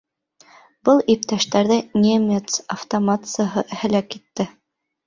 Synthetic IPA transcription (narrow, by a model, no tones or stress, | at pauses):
bɤlˠip̚t̪æʃt̪æɾðɘnʲemʲet̪sɐft̪omat̪sɨjəɦɤʔhɘ̆lækit̪ːɘ